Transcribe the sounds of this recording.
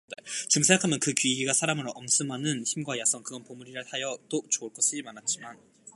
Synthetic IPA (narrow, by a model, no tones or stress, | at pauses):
net͡ɕɯmsʰeŋɡakʰamjʌnkɯkɥiɡiɡasʰaɾamɯɾʌms͈ʰɯmanɯnçimɡwajasʰʌŋkɯɡʌnpomuɾiɾɯɭhajʌt͈ot͡ɕoɯɭk͈ʌɕ͈ʰiimanat̚t͡ɕ͈iman